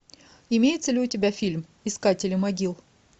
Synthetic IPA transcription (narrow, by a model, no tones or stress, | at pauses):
ɪmʲejɪt̪səlʲɪʊtʲɪbʲafʲilʲm | ɪskatʲɪlʲɪmɐɡʲilˠ